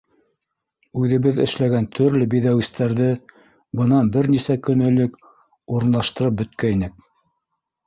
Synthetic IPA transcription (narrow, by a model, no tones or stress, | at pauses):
ʉðɘ̆βɘðɘ̰̆ʃlæɡænt̪ʰɵ̆ɾlɘbiðæwist̪æɾðɘ | bɤ̆nɑnbɘɾnisækɵ̆nɵ̆lɘk | uɾɤ̆nlˠɑʃt̪ɤ̆ɾɤp̚bɵ̆t̪̚kæinɘk̚